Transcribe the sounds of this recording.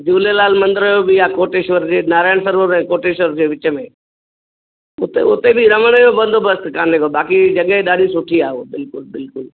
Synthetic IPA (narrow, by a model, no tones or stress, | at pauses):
d͡ʑuːlelaːlmɐ̃nd̪əɾəjobɪaːkoːʈeːʃʋəɾd͡ʑeːnaːɾaːjɪɽ̃səɾʋəɾɛ̃ːkoːʈeːʃʋəɾd͡ʑeːʋɪt͡ɕəmẽ | ʊt̪ḛʊt̪ebɪɾɐməɽ̃əjobɐ̃nd̪ʱobʱɐskãːnekobaːkid͡ʑɐɠẽɗaːɗʱisʊʈʰiaːobɪlkʊlbɪlkʊl